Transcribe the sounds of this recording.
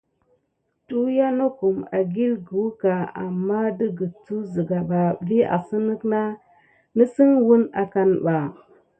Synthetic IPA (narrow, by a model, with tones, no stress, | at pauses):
tu˦ja˦no˦ku˨ma̰˨ɡi˦lɡu˨˦ka˨a̰˨mːa˦də˦ɡə˨t͡su˦zə˨ɡa˨ba˨vi˦a̰˨sə˦nə˦kna˦ | nə˦si˦ŋwu˦na˨ka˨nɓa˨